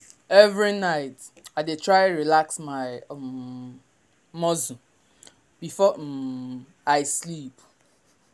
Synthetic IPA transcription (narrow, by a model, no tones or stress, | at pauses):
ɛvɹinaɪt | aɪdetʰɹaɪ̃ɹilaksmaɪ | mɔzũ | b̥ifɔ | aɪslip